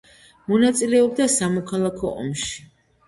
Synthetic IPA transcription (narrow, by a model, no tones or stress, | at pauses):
mɔnat̪sʼilɛɔb̚d̪asamɔkʰalˠakʰɔ̰ʔɔ̰mʃi̥